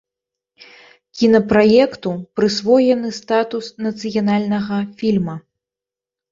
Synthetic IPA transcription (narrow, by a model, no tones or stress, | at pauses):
kʲinɐpɾajɛkt̪upɾɨsvɔjɛnɨst̪at̪usnɐt̪sɨjanalʲnɐɣɐfʲilʲmɐ